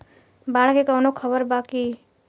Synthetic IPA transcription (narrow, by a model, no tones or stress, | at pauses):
baːɽ̤kekəwnokʰəbəɾbaːki